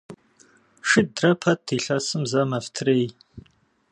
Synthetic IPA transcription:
ʂɨt̚drɐpʰɐtʰːiɬɐsɨmzɐmɐftʰrej

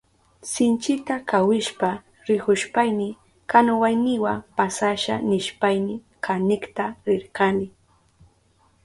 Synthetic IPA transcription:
sɪnt͡ʃɪt̪akawɪʃpa | ɾɪhʊʃpajnɪ | kanawajnɪwapasaʃa̰nɪʃpajnɪ | kanɪkt̪aɾɪɾkanɪ

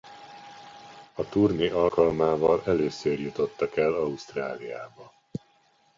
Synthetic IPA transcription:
ɒt̪urniʔɒlkɒlmaːvɒlɛløːsøːrjut̪o̞t̪ːɒkɛlɒust̪raːlijaːbɒ

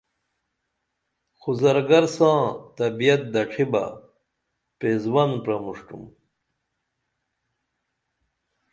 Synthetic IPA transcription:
xuzɐɾɡɐɾsãːt̪ɐbijɐt̪̚d̪ɐʈ͡ʂʰiba̰ | pezwɐnpɾɐmuʂʈṵm

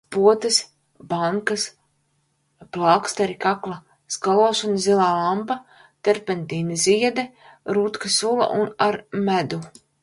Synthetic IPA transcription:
puɔt̪ɨs | baŋkas | plˠakst̪aɾikaklˠa | skalˠɔʃɔnizilˠaːlˠampa | t̪ɛɾpɛnt̪iːnizʲiɛd̪ɛ | ɾut̪kasulˠɐ̰ʔunaɾmæd̪u

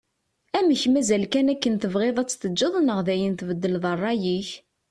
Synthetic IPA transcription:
æməçmæzælkænækːənt̪əvʁeðˤæt͡sːθəd͡ʒːəðˤənəʁðæjənt̪vəd̪ːəlðˤərˤːɑjiç

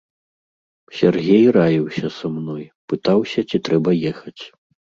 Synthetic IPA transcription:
sʲɛrɣʲejrajiwsʲɐsamnɔjpɨt̪awsʲɐt͡sʲit̪ɾɛbɐjɛxɐt͡sʲ

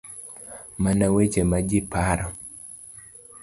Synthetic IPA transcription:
manawet͡ʃemad͡ʒɪpaɾɔ

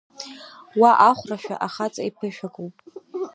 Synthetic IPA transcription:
waʔaχʷraʃᶣa̰ʔaχat͡sʼaipʰɨʃᶣakʼowpʼ

